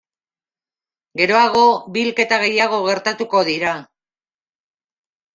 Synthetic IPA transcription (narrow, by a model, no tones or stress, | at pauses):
ɡe̞ɾo̞aɣ̞o̞bilke̞t̪aɣe̞jaɣ̞o̞ɣe̞ɾt̪at̪uko̞ðiɾa